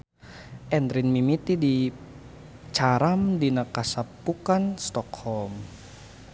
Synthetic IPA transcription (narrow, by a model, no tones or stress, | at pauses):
ʔɛnd̪ɾinmimit̪idi | t͡ʃaɾamdinakasapːukanst̪ɔkhɔlm